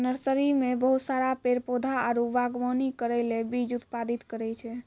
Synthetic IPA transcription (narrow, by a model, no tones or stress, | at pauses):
nəɾsəɾimebəɦut̪saɾapeɾpod̪ʱaaɾuʋaɡʋɔnikəɾɛlebid͡ʒut̪pad̪it̪kəɾɛt͡ʃʰɛ